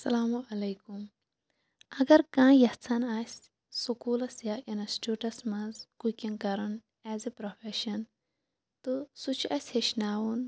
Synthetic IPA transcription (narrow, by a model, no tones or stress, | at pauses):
sɐlaːmuʔɐlɐjkum | ɐɡɐɾkãːjɐht͡sʰɐnaːsʲ | sukuːlɐsjaʔinɐsʈuːʈɐsmɐ̃zkukʲiŋkɐɾɐn | ɛːzepɾofeʃɐn | t̪ɨsut͡ʃʰɐsʲheʃnaːwun